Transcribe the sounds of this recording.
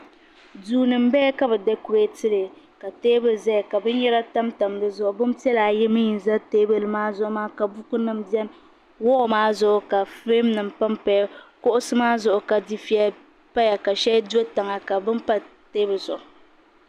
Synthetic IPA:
duː˦nɨ˨m̩˦bɛ˦ka˦bɨ˨dɛ˦ku˨ɾe˦tɨ˦lɨ˨ | ka˨teː˦bɨ˨za˦˨ka˨bɨ˦n˦jɛ˦la˦ta˦mta˨m˦bɨ˦zʊ˦ʔʊ˨bɨ˦m˦ti˦ɛ˦la˨jɛ˦mɨ˦ji˨n˨za˦teː˦bɨ˨lɨ˨maː˦zʊ˦ʔʊ˦maː˦ka˨bu˦ku˦nɨ˦mbi˦ɛ˦m | wɔ˦˨maː˦zʊ˦ʔʊ˨ka˨fe˦mnɨ˨m˨pa˦mpa˦kʊ˦ʔʊ˦sɨ˦maː˦zʊ˦˨ʔʊ˨ka˨di˦fi˦a˦ | pa˦ja˨ka˨ʃɛ˦do˦ta˨ŋa˨ka˨bɨ˦mpa˦teː˦bɨ˨zʊ̰˨ʔʊ˨

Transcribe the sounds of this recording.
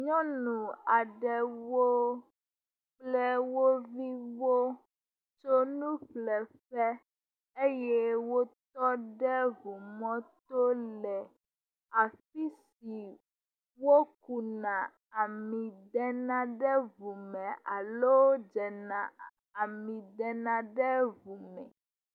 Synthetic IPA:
ɲɔ̃˦nũ˨a˨ɖɛ˨wo˦ | k͡plɛ˦wo˦vi˦wo˦ | t͡ʃo˦nũ˦ɸlɛ˨ɸɛ˦ | e˦jɛ˦wo˦t̪ɔ˦ɖɛ˦vu˨mɔ̃˦t̪o˦lɛ˨ | a˨fi˦s | i˨ | wo˦ku˨nã˨ | a˨mĩ˨d̪ɛ˦nã˦ɖɛ˦vu˨mɛ̃˨ʔa˨lo˦d͡ʒɛ˨nã˨ | a˨mĩ˨d̪ɛ˨nã˨ɖɛ˦vu˨mɛ̰̃˨

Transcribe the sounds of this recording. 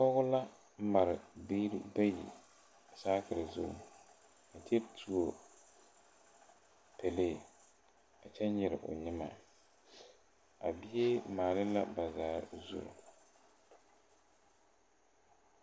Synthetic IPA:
pɔ˦ɣʊ˦la˦ | ma˨ɾɪ˨bi˦ɾba˦jḭ˨ | a˨saː˦kɪ˨ɾɪ˨zʊ̰˦˨ | a˨te˦tʰu˨o˨ | pʰɛ˨leː˦˨ | a˨t͡ʃɛ˦ɲ˦ɪ˨ɾɪ̰˨ʔʊ̰˨ɲɪ˦ma˨ | a˨bi˦je˦maː˨lɪ˦la̰˦ba˨zaː˨zṵ˦˨ɾʊ̰˨

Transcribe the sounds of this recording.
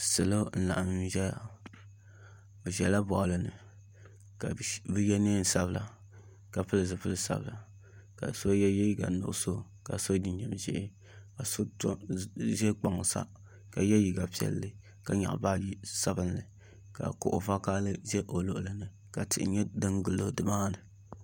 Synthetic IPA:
sɨ˨lo˦n̩˦la̰˨ʔm˦ʒɛ˦ja̰˨ | bɨ˨ʒɛ˨la˦bɔ˨ʔlɨ˨nɨ̰˨ | ka˨bɨ˦jɛ˦ne˦n˨sa˦bɨ˨la˨ | ka˨pɨ˦lɨ˨zɨ˨pɨ˦lɨ˦sa̰˨bɨ˨la˨ | ka̰˨so˦jɛ˦jɛ˦ji˦ɡa̰˨˦nʊ̰˨ʔso˦˨ | ka̰˨so˦di˦ɲɛ˨m˨ʒɛ̰˦ʔɪ˦ | ka˨so˦tʒɛ˦k͡pa˨ŋ˨sa̰˦ | ka˨jɛ˦ji˨ɡa˨pi˦ɛ̰˦lːɨ˦ | ka˨ɲa̰˨ʔba˦˨ji˦sa˦bɨ˦n˦lɨ˨ | ka̰˨kʊ̰˨ʔʊ̰˨va˦ka˦lɨ˦ʒɛ˦ʔo˨lo˨ʔlɨ˨nɨ˨ | ka˨tɪ˨ʔɪ̰˨ɲɛ˦dɨ˦ŋɡɨ˨lo˦dɨ˨maː˦nɨ˨

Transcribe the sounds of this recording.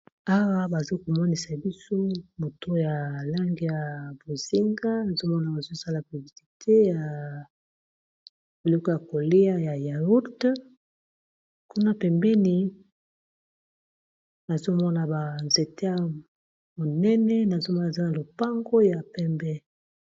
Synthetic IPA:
a˦wa˦ba˨zo˦ko˨mɔ˦ni˨sa˨bi˦so˦mo˨to˦ja˨la˦ŋɡi˦˨ja˨bo˨zi˦ŋɡa˦na˨zo˦mɔ˦na˨ba˨zo˦sa˦la˨bi˨vi˨ti˨tʰe˦ja˨ | bi˨lɔ˦kɔ˦˨ja˨ko˨le˦a˦ja˨ja˨u˦t | ku˦na˦pɛ˨mbɛ˦ni˨ | na˨zo˦mɔ˦na˨ba˨nze˨te˦ja˨ | mo˨nɛ˦nɛ˦na˨zo˦mɔ˦na˨za˦na˨lo˨pa˦ŋɡo˦ja˨pɛ˦mbɛ˦

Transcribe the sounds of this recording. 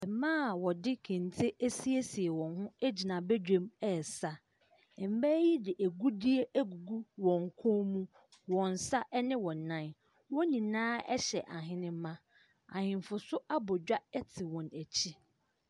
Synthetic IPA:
ɛ˨mãː˦˨wɔ˨dɪ˦kʰɛ̃˨n˨tʰe˦ʔæ˦si˦e˦si˨e˨wɔ̃˨nɦʊ̃˦e˦d͡ʑi˨nã˨bɛ˦d͡ʑᶣẽ˦mɛ˨sa˦ | ɛ˨m̩˦bæ˦ji˦dɪ˨ʔæ˨ɡu˦di˦e˦ʔæ˦ɡu˨ɡu˦wɔ̃˨ŋ˨kʰʊ̃˦mũ˦ | wɔ̃˨n˨sa˦ʔɛ˦nɪ̃˦wɔ̃˨nã˦˨n | wɔ̃˦nĩ˨nãː˦ɛ̰˦ɕɛ˨ʔa˨ɦɪ̃˦nɪ̃˦m˦mã˦ | ã̰˨hɪ̃˨m˨fʊ˨sʊ˦ʔa˦bɔ˨d͡ʑᶣa˦ɛ˦tʰɪ˨wɔ̃˨næ˨t͡ɕʰi˦

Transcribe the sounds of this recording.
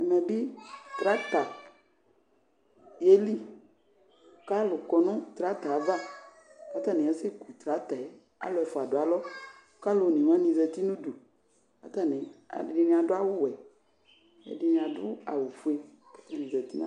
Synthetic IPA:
ɛ˨mɛ˨bi˦t̪ɾa˦t̪a˨ | je˦li˦˨ | ka˦lʊ˨kɔ˨nʊ̃˦t̪ɾa˨˦t̪a˨va˦ | a˦t̪a˦˨nĩ˨ɛ˨sɪ˦ku˨t̪ɾa˨˦t̪a˨ɛ˦ | a̰˦lʊ˨ɛ˨fʊ˨a˨dʊ˨a˨lɔ˦˨˦ | ka˦lo˨nĩ˨m˦ã˦nĩ˨zɛ˨t̪i˦nũ˦du˨ | a̰˦t̪a˦˨nẽ˨a̰˨dɪ˨di˦nĩ˨a˨dʊ˦a˦wʊ˦wɛ˨ | ɛ̰˨di˨˦nĩ˨a˨dʊ˦a̰˨wu˨fu˦e˦ | ke˦t̪i˦˨nĩ˨zɛ˨t̪i˦nã̰˦

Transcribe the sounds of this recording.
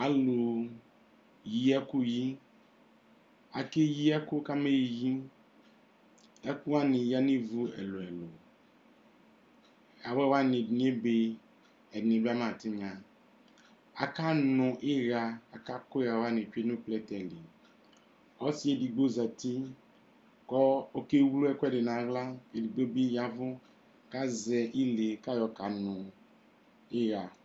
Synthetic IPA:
a˨lo˨ | ji˦a˦ku˦ji˦ | a˨ke˦ji˦a˦kʊ˦ka˦me˦jji˦ | a˦ku˦wa˦nɪ˨ja˦nĩ˦vu˦ɛ̰˨lo˨ɛ˨lo˨ | a˨wɛ˦wa˦nɪ˨dn˨˦e˦be˦ | ɛ˨dn˨˦be˦a˦mã˨tɪ˦ɲã˨ | a˨ka˦nʊ̃˨ʔɪ˦ɣa˨a˨ka˦kʊ˦a˨wa˦˨nɪ˨t͡ʃu˦e˦nu˦plɛ˦tɛ˨li˨ | ɔ˦si˦e˦di˨ɡ͡bo˦˨za˨ti˦ | kɔ˦o˦ke˦wlu˦ɛ˦kɔ˦ɛ˦˨de˨na˨˦ɣla˦e˨di˨ɡ͡bo˦bi˦ja˨vʊ˦ | ka˦zɛ˨ʔi˦le˨ka˦jɔ˨ka˨nʊ˨ | ɪ˦ɣa˨

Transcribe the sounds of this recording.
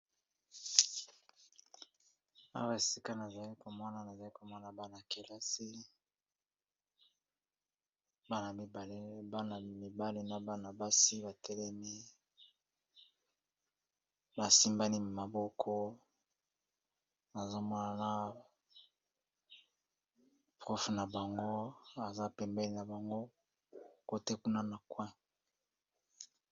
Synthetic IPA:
a̰˦wa˨e˨si˦ka˦na˨za˨li˦ko˨mɔ˦na˨na˨za˨li˦ko˨mɔ˦na˨ba˦na˨ke˨la˦si˦ | ba˦na˨mi˨ba˨le˦ba˦na˨mi˨ba˦le˦na˨ba˦na˨ba˦si˦ba˨tʰɛ˦lɛ˦mi˦ | ba˨si˦mba˦ni˦˨ma˨bɔ˦kʰɔ˦ | a˨zo˦mɔ˦na˨na˦ | pʁɔ˦fna˨ba˨ŋɡo˦a˨za˦pɛ˨mbɛ˦li˨na˨ba˨ŋɡo˦ | ko˦te˦ku˦na˦na˨kwɛ̃˦

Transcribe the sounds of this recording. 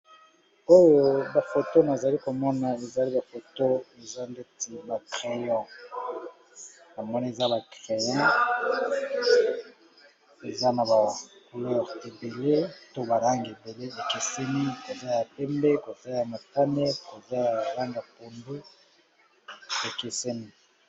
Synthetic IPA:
o˦jo˨ba˨fo˨to˦na˨za˨li˦ko˨mɔ˦na˨e˨za˨li˦ba˨fo˨to˦e˨za˦nde˦ti˨ba˨kʁe˨jɔ̃˨ | na˨mɔ˦na˦e˨za˦ba˨kʁe˨jɔ̃˦ | e˨za˦na˨ba˨ko˨lɔ˦ʁe˨be˨le˦to˦ba˨la˦ŋɡe˨be˨le˦ba˨ke˨se˦mi˦ko˨za˦ja˨pɛ˦mbɛ˦ko˨sa˦ja˨ma˨ta˦ne˦ko˨za˦ja˨la˦ŋɡa˨po˨ndu˦ | be˨ke˨se˦mi˦˨

